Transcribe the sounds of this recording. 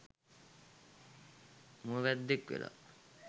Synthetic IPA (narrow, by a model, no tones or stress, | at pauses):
muʋæd̪ːekʋḛla̰